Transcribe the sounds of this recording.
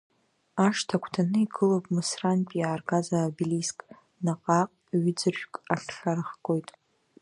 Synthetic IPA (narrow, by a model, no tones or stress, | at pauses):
aʂtʰakʷʰtʰanɨiɡɨlopʼmɨsranpʼijaːrɡazabiliskʼ | naqʼaqʼɥʏd͡zɨrʒᶣkʼaɬɬaɾɨχkʼo̞jtʼ